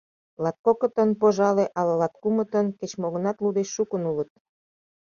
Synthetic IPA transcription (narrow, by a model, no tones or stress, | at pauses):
lɑt̪̚kokə̆t̪ənpoʒɑleʔɑlɑlɑt̪̚kumə̆t̪ənket͡ɕmoɣənɑt̪lud̪eʃːukənulət̪̚